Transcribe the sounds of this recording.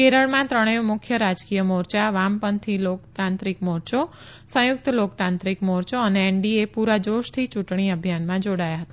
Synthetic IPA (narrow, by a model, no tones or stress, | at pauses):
keɾəɭmãt̪ɾəɽ̃eʋmʊkʰjəɾad͡ʒkijəmoɾt͡ʃaʋampənt̪ʰilokt̪ãnt̪ɾikmoɾt͡ʃo | sə̃jʊk̚t̪əlokt̪ãnt̪ɾikmoɾt͡ʃoəneːɳɖiepuɾad͡ʒoʃt̪ʰit͡ʃuʈɽ̃iəbʱjanmãd͡ʒoɽajaɦət̪a